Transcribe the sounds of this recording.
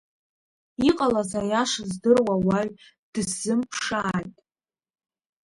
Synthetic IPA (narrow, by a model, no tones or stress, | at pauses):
iqʼalazajaʂzdɨrwawaɥ | d̥ɨsːɨmpʰʂaːjtʼ